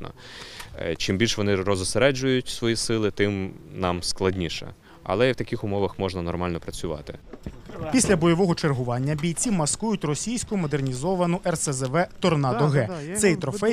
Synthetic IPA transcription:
nɔ̰ | t͡ʃimbʲilʲʃʋɔnɪrɔzɔseɾɛd͡ʒʊjʊtʲsʋɔjisɪlˠɪt̪ɪmnɑmsklˠɐdʲnʲiʃɛ̰ | ɐ̰lˠɛiwt̪ɐkʲixʊmɔʋɐxmɔʒnɐnɔrmɑlʲnɔpɾɐt͡sʲʊʋɑ̰t̪ɪ | pʲisʲlʲɐbɔjɔʋɔɦɔt͡ʃerɦʊʋɑnʲːɐbʲijt͡sʲimɐskujʊtʲrɔsʲijsʲkʊmɔd̪e̞rnʲizɔʋɐnʊʔɛrsɛzɛʋɛt̪ɔrnɑd̪ɔɦɛt̪sɛjt̪ɾɔfɛ

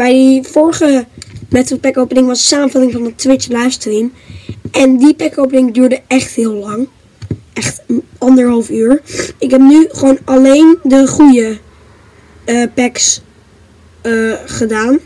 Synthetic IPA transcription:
bɛjdifʊɹχəmɛtəpɛkowpənɪŋʋɑssaːmənvɑtɪŋvɑnətʋɪt͡ʃlajfstrim | ɛndipɛkowpənɪŋdyːɹdəɛχtɦɪːlˠlɑŋ | ɛχt | ɑndəɹɦɑlˠfyːɹɪkɦɛp̚nyχəʋonɑlejndəχujə | pɛks | χədaːn

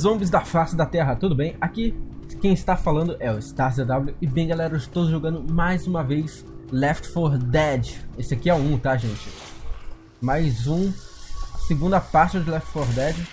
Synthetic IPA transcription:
zõmbɪzd̪ɐfasɪd̪ɐt̪ɛɦɐt̪ud̪ʊbẽj̃akikẽj̃ɪst̪afalɐ̃nd̪ʊʔɛʊɪst̪aɾzed̪abluɪbẽj̃ɡalɛɾɐɪʃt̪owʒoɡɐ̃nd̪ʊmajzũmɐvejs | lɛft͡ʃfoɾd̪ɛd͡ʒɪesɪakiɛũt̪aʒẽnt͡ʃɪ̥ | majzũ | sɪɡũnd̪ɐpaɾt͡ʃɪd͡ʒɪlɛft͡ʃfoɾd̪ɛd͡ʒɪ

